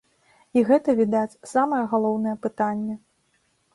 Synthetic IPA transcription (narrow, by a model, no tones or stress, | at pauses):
iɣɛt̪ɐvʲid̪at͡sʲsamɐjɐɣalˠɔwnɐjɛpɨt̪anʲːɛ